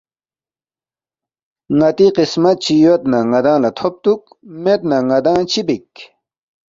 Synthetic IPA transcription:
ŋɐt̪iqismɐt̪̚t͡ɕʰijot̪naŋɐd̪ãːlɐt̪ʰop̚t̪uk̚ | met̪naŋɐd̪ãːt͡ɕʰibik

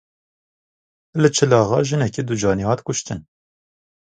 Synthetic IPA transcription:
lɨt͡ʃʰɨlɑːɣɑ̰ːʒɨnɛked̪ud͡ʒɑːniːhɑːt̪kʊʃt̪ɨn

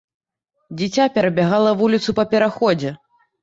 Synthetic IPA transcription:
d͡zʲit͡sʲapʲɛɾɐbʲaɣalˠɐvulʲit̪supɐpʲɛɾaxɔd͡zʲɛ

